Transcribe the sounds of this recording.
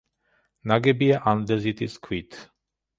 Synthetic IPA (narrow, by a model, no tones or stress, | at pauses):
naɡɛbiaʔand̪ɛzit̪ʰiskʰwit̪